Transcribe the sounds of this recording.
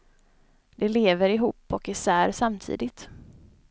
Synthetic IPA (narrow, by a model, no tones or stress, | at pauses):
d̪ɛleːvəɾɪɦuːpːɔkɪsæːɾsamt̪ʰḭːd̪ɪt̪